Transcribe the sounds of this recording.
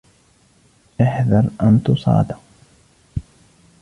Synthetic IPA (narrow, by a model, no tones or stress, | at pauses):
aħðɑɾˤʔant̪ʊsˤɑ̰ːd̪ɑq